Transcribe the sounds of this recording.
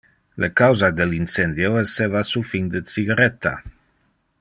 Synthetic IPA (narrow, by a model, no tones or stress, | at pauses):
lekawzad̪elinsend̪joesevasufiɲd̪ət͡siɡaɾɛt̪a̰